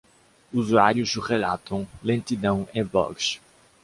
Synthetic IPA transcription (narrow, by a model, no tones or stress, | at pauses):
uzuaɾjʊzuʁelat̪ɐ̃w̃lẽnt̪id̪ɐ̃w̃ẽbɔ̰ks